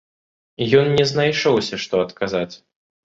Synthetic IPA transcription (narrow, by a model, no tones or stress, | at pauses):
jɔnnʲɛznajʂɔwsʲɐʂt̪ɔɐt̪kazat͡sʲ